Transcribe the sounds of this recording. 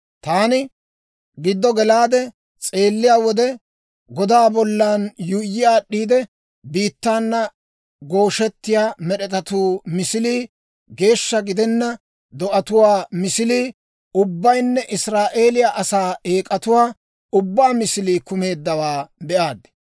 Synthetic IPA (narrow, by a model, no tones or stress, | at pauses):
t̪aːnɪ | ɡɪd̪ːɔɡɛlaːd̪ɛ | t͡sʼe̞ːlːɪjaːwɔd̪ɛ | ɡɔd̪aːbɔlːaːnjʊjːɪjaːɗːiːd̪ɛ | biːt̪ːaːnːɐ | ɡo̞ːʃɛt̪ːɪjaːmɛɗɛt̪ɐt̪uːmɪsɪliː | ɡe̞ːʃːɐɡɪd̪ɛnːɐ | d̪ɔʔɐt̪ʊwaːmɪsɪliː | ʊbːɐjnːɛʔɪsɾaːʔe̞ːlɪjaʔɐsaːeːkʼɐt̪ʊwaː | ʊbːaːmɪsɪliːkʊme̞ːd̪ːɐwaːbɛʔaːd̪ɛ̥